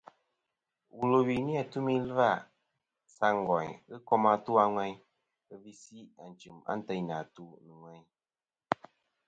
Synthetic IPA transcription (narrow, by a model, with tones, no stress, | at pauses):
wu˨lo˨wi˨ni˦a˨tu˦mi˦lɨ˦va˦˨ | sa˦ŋ̩˨ɡɔ˨ɲɣɨ˦kɔ˦ma˧tu˦a˦ŋwɛ˦ɲ | ə˦vi˦si˦a˨n̩˨t͡ʃɨ˨ma̰˦n̩˦tɛ˦ɲ˨na˨tu˦nɨ˨ŋwɛ˦ɲ